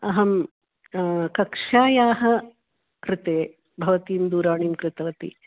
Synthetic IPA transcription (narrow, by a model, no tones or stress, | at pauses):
ɐɦɐm | kɐkʂaːjaːɦɐ | kɾɪt̪eː | bʱɐʋɐt̪iːmd̪uːɾaːɳiːmkɾɪt̪ɐʋɐt̪ḭ